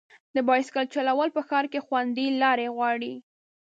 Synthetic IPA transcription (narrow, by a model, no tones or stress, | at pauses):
d̪əbɑjɪskalt͡ʃalawəlpəxɑɾkexwand̪ilɑɾeɣwɑɽi